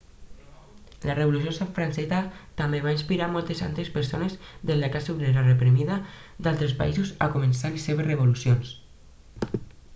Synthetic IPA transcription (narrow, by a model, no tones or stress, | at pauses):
lareβolus̬josaɱfɾansɛzat̪ambeβainspiɾamɔlˠt̪esa̰nt̪espeɾsonezðezlekasuβleɾarepɾimiðad̪alˠt̪ɾespa̰izuza̰komensalesːeβereβ̞olusjons